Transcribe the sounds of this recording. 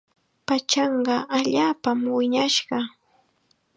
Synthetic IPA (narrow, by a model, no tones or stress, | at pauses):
pat͡ʃɑɴɢɑʔaʎaːpamwɪɲaʃɢɑ